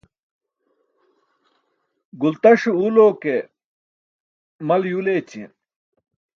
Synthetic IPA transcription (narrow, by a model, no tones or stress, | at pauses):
ɡult̪ɐʂuuloːke | mɐljuleːt͡ɕʰḭn